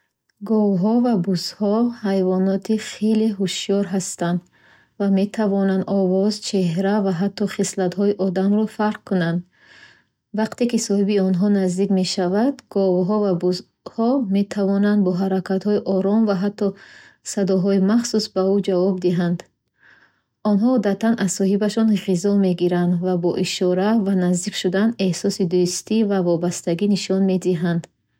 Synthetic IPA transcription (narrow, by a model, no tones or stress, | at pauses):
ɡɔvɦɔvabushɔhajvɔnɔt̪ʰiχe̞leɦuʃijɔɾɦast̪and̪ | vame̞t̪ʰavɔnand̪ɔvɔzt͡ʃʰe̞ɦɾavaɦat̪ʰːɔχislat̪hɔiʔɔd̪amɾɔfaɾq̚kʰunand̪ | vaqt̪e̞kisɔhibiɔnɦɔnazd̪ikme̞ʃavad̪ɡɔvɦɔvabus | hɔme̞t̪ʰavɔnand̪̚bɔɦaɾakʰat̪hɔiʔɔɾɔmvaɦat̪ːɔsad̪ɔɦɔimaχsusbaud͡ʒavɔbd̪iɦand̪ | ɔnɦɔːd̪at̪ʰanʔassɔɦibaʃɔnʁizɔme̞ɡiɾand̪vabɔʔiʃɔɾavanazd̪ikʃud̪ane̞hsɔsid̪ust̪ivavɔbast̪aɡiniʃɔnme̞d̪iɦand̪̥